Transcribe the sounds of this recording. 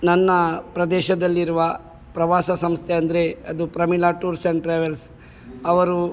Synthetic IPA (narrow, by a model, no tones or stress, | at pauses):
nɐnːɐpɾɐd̪ɛːʃɐd̪ɐlːiɾuʋɐ | pɾɐʋaːsɐsɐmst̪ʰeɐnd̪ɐɾeɐd̪upɾɐmilaːʈuːɾsɐɳʈɾeːʋels | ɐʋɐɾu